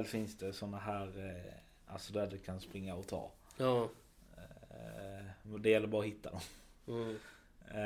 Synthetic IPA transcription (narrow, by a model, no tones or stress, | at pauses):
lfɪnsd̪ɛsɔnːaɦæːɾ | alsɔd̪æɖɛkʰanspɾɪŋːaɔt̪ʰɑ̰ː | d̪ɛjɛlːəɾbɑːɾɔɦɪt̪ːad̪ɔm